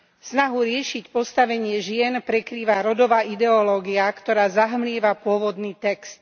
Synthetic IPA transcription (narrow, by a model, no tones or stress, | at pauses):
snaɦuɾɪɛʃicpɔst̪aʋɛɲɪɛʒɪɛnpɾɛkɾiːʋaɾɔd̪ɔʋaːʔid̪ɛɔlɔːɡiakt̪ɔɾaːzaɦmlɪɛʋapʊɔʋɔd̪niːt̪ɛkst̪